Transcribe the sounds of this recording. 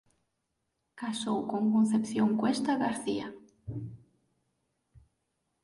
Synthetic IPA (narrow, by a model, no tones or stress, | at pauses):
kasowkoŋkõn̟θepθjoŋkwest̪aɣaɾθia